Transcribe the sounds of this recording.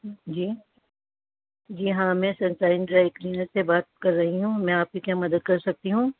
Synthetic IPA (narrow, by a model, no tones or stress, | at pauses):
d͡ʒiː | d͡ʒiːɦãːmɛ̃ːsɐ̃nsaːɪnɖɾaːɪkliːnəɾsebaːt̪̚kɐɾːɐɦiɦũmɛ̃aːp̚kikjaːmɐd̪əd̪̚kɐɾsɐk̚t̪iɦũː